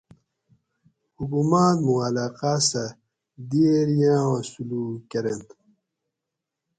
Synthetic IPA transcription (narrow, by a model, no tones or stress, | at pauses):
hukumaːt̪muɐlaːqaːsɐ | d̪ieɾjãːwɐ̃suluːkeɾent̪